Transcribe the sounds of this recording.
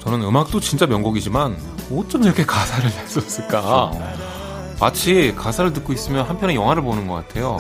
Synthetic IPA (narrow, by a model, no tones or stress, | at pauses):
t͡ɕʌnɯnɯmak̚t͈ot͡ɕint͡ɕ͈amjʌŋɡoɡid͡ʑiman | ot͡ɕ͈ʌmiɾʌkʰe̞kasʰaɾɯɭnas͈ʌs͈ɯɭk͈a | mat͡ɕʰikasʰaɾɯɭtɯk͈ois͈ɯmjʌnɦampʰjʌnejʌŋɦwaɾɯɭponɯnɡʌk͈atʰe̞jo